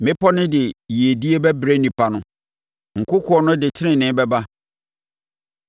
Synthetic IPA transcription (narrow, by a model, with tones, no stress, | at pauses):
mɪ̃˦pʰɔ˦nɪ̃˦dɪe˨ji˨e˨di˦e˦bɛ˦bɾe˦nĩ˨pʰa˨nʊ̃˦ | ŋ̩˨kʰʊ˦kʰʊ˦ɔ˦nʊ̃˦dɪ˨tʰɪ˦nɪ̃˨nɪ̃˦bɛ˦ba˦